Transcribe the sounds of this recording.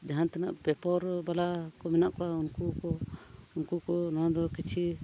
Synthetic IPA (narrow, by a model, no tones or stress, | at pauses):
d͡ʒaɦant̪ɛna̰ʔpɛpɔɾbalakɔmɛnaʔkɔaunkukɔunkukɔnãd̪ɔkit͡ʃʰi